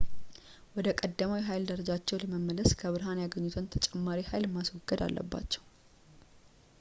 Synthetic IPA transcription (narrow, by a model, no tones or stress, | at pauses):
wɔd̪əkʼəd̪ːəmawiɦajld̪əɾəd͡ʒat͡ʃːɛwləməmːələskʰəβɨɾɦanjaɡəɲːut̪ʰənt̪ʰət͡ʃʼɛmːaɾihajlmːaswɔɡːəd̪a̰lːʔə̰bːa̰t͡ʃːɛw